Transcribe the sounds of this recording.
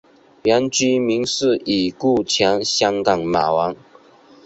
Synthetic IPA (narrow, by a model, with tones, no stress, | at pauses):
ja˧˦˥nt͡ɕy˥mi˧˥ŋsɹ̩˥˩ʔi˨˩ku˥˩˨t͡ɕʰjɑ˧˥ŋɕjɑ˥ŋkɑ˨˩ŋma̰˨˩wɑ˧˥ŋ